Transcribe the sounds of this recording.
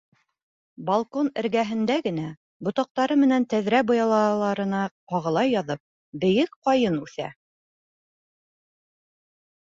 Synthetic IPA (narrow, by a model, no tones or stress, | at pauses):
bɐlˠkonɘ̆ɾɡæɦɘ̆nd̪æɡɘ̆n̪æ | bŏt̪ɑq̚t̪ɑɾɤmɘ̆nænt̪æðɾæbŏjɑlˠɑlˠɑɾɤ̆nɑqɑʁɤ̆lˠɑjːɑðɤp̚ | bɘ̆jɘkqɑjɤnʉθæ̰